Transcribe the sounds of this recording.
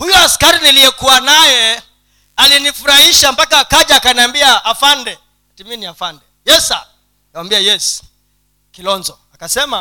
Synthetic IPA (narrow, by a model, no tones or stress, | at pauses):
hujɔaskaɾinilijɛkuwanajɛ | alinifuɾahiʃampakaːkaʄaːkaniambiaːfandɛ | atiminiafandɛjɛsa̰ː | kawambiajɛs | kilɔnzɔakasɛma